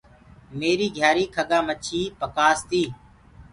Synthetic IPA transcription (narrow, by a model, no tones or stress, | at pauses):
meːɾiːɡʱjaːɾiːkʰəɠaːmət͡ʃʰiːpəkaːst̪iː